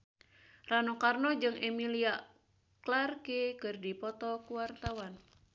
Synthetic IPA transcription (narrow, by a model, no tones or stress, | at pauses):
ranokarnɔd͡ʒɨŋɛmilia | klarkekɨrdipɔt̪ɔkuwart̪awan